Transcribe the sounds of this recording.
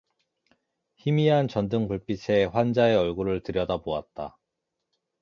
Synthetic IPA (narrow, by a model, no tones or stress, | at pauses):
çimiɦant͡ɕʌndɯŋpuɭp͈it͡ɕʰe̞ɸwand͡ʑaeʌɭɡuɾɯɭtɯɾjʌdaboa̰t̚t͈a